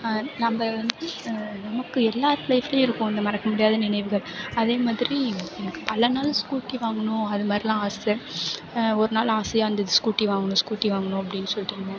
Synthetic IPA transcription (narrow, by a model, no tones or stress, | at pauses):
nɐmbɐʋɐnd̪ɯnɐmɐkːɯɛlːaːɾlɐɪfɐleɪɾɯkːʊ̃ɪnd̪ɐmɐɾɐkːɐmʊɽɪjaːðɐnɪnɐɪʋɯɣɐɭɐðeːmaːðɪɾiɛnɐkːɯ̥pɐlɐnaːlskuːʈːiʋaːŋɡɐɳʊ̃ɐðɯmaːd̪ɾilãːaːsɛ | ɔɾɯnaːlaːsɐjaːɐnd̪ɐðɪskuːʈːiʋaːŋɡɐnʊ̃skuːʈːiʋaːŋɡɐnʊ̃ɐp̬ːɐɽɪnːɯsɔlːɪʈːɪɾɯnɡ̪ɛ̃